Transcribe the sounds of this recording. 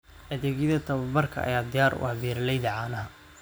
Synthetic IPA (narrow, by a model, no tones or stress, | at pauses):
ʔɐðɛːɣɪðɐt̪ʰɐβɐbɐrkʰɐ̰ɐ̰jaːd̪ɪjaːrʔwʔɑ̰hbiːɾlɛjðɐʕaːnɐɦɐ